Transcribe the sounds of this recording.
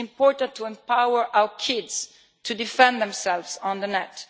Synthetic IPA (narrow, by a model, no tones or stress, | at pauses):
ɪ̃mpɔɹt̪ãnt̪ʰuɛ̃mpawəɹʔawəkʰɪdz̥ | tʰudifɛ̃nd̪ɛ̃msɛlvzɔ̃nðənɛt